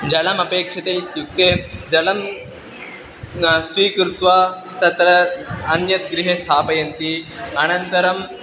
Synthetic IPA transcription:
d͡ʑɐlɐmɐpeːkʂɐt̪eːt̪juk̚t̪eːd͡ʒɐlɐm | sʋiːkɾut̪ʋa | t̪ɐt̪ɾɐɐnjɐt̪ɡɾiɦest̪ʰaːpɐjɐnt̪iɐñɐnt̪ɐɾɐm

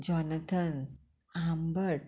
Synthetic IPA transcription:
d͡ʒɔnət̪ʰən | ambəɾʈ

